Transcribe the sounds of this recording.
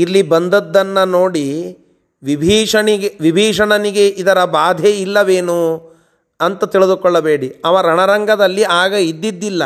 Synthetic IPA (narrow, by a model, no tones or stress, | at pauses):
ilːibɐnd̪ɐd̪ːɐnːɐnoːɽi | ʋibʱiːʂɐɳiɡeʋibʱiːʂɐɳɐniɡe̞ʔid̪ɐɾɐbaːd̪ʱeilːɐʋeːnu | ɐnt̪ɐt̪iɭid̪ukɔɭːɐbeːɽiɐʋɐɾɐɳɐɾɐŋɡʱɐd̪ɐlːiʔaːɡɐid̪ːid̪ːilːɐ